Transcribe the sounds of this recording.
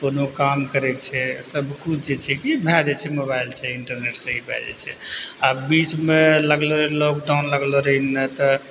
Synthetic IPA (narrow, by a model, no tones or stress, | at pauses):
konokamkəɾekt͡ʃʰɛsəbʱkut͡ʃʰd͡ʒet͡ʃʰɛkibʱɛd͡ʒɛt͡ʃʰɛmobailt͡ʃʰɛiɳʈəɾneʈsə̃ɦibʱɛ̰d͡ʒɛ̰t͡ʃʰɛ̰abit͡ʃmeləɡloɾəlɔk̚ɖawnləɡloɾəɦinət̪ə